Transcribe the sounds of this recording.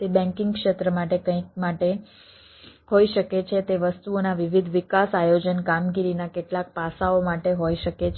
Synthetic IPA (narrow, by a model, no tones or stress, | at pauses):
t̪ebɛ̃ŋkɪ̃ŋɡkʃet̪ɾəmaʈekə̃ĩk̚maʈe | ɦoiʃəket͡ʃʰet̪eʋəst̪uonaʋiʋid̪ʱʋɪkasajod͡ʒənkamɡiɾinakeʈlak̚pasaomaʈeɦoiʃəket͡ʃʰ